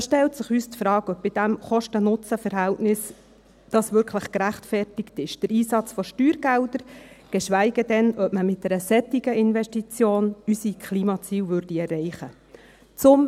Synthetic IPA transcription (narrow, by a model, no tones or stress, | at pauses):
ʃtɛltsəχyːstfɾɑːɡœp̚bɪd̥æmχɔʃtənʊt͡səfəɾɦæltnɪs | d̥ɑsvʏɾkʰləχkɾæχtfɛrtɪktɪʃd̥əɾiːsɑt͡sfɔʃtyːɾɡ̥ældəɾɡ̥ɛʃʋæɪɡədɛnœpməmɪt̚d̥ɛɾəsɛtɪɡəɪnvɛʃtit͡sjoːnysikχliːmɑt͡siːwvʏrd̥iɛrːɛɪχə | t͡sʊm